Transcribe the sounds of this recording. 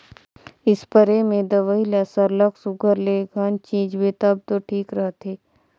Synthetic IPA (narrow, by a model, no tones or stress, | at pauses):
ɪspəɾemẽd̪ɐʋəilasəɾləksʊɡʱəɾleɡaːnt͡ʃĩːd͡ʒbet̪əb̚t̪oʈʰiːkɾəɦt̪eː